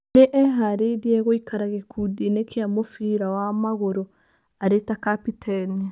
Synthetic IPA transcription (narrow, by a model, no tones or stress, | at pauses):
neʔɛɦaɾediɛɣoikʰaɾaɣekʰudinekʰeamofiɾawamaɣoɾo | aɾetakapitʰani